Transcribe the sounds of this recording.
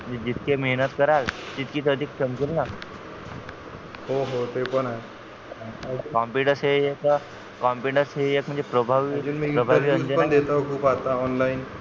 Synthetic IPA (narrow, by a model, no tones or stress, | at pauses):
m̤əɳd͡zed͡ʑit̪kemeɦnət̪kəɾald͡ʑit̪kiːt̪əd̪ʱik̚t͡ɕəmd͡ʑilna | hoɦot̪epəɳaɦe | əkɔmpiʈəɾsɦejek | kɔmpiʈəɾsɦeekm̤əɳd͡zepɾəbʱaʋid͡ʒunmiɾəbʱaaʋiːəɲd͡ʑəpəand̪et̪akʰuːpat̪aɔnlaiːn